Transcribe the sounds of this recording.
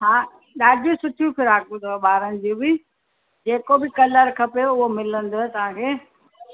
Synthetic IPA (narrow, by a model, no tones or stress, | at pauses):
ɦãː | ɗaːɖjũsʊʈʰijũpʰɪɾaːkũd̪oɓaːɾənɪ̆d͡ʑuːbɪ | d͡ʑeːkobɪkɐləɾkʰɐpeʊɦomɪlə̃nd̪ot̪ɐʋ̤ãkʰeː